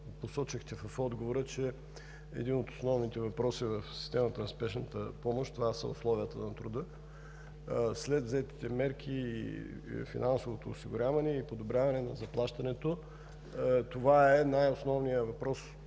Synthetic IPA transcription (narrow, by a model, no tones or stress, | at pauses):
posɔt͡ʃixt̪ɛvɐfɔd̪ɡovoɾət͡ʃɛ | ɛ̰d̪inot̪o̥snɔvnit̪ɛvɐpɾɔsivəfsi̥st̪ɛmət̪ənɐspɛʃnət̪əpɔmoʃt̪ovasə̰ʊ̰slˠɔviət̪ə̰nɐt̪ɾud̪ə | slɛt̪vzɛt̪i̥t̪ɛmɛɾk̟ʰi | fḭnansovot̪oːsiɡʊɾʲavɐnɛipod̪obɾʲjavɐnɛnɐzɐplˠaʃt̪ɐnɛt̪o | t̪ovaɛnajosnɔvnijəvɐpɾɔs